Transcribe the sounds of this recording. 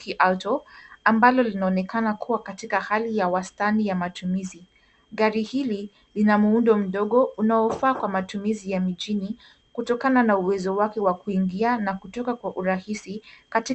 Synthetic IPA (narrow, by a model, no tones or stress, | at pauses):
kiʔatɔambalɔlinaɔnɛkanakʰuwakatikahalijawastanijamatumizi | ɠaɾihili | linamuundɔm̩ɗɔɠɔunaɔfaːkwamatumizijamiʄini | kutɔkananauwɛzɔwakɛwakuiŋɡianakutɔkakwaʔuɾahisikati